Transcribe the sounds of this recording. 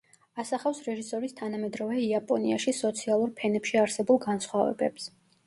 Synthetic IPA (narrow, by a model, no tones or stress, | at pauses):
asaχafsɾɛʒisɔɾist̪ʰanamɛd̪ɾɔvɛiapʼɔniaʃisɔt̪sʰialˠuɾpʰɛnɛpʃiaɾsɛbulˠɡansχwavɛ̰bɛ̰ps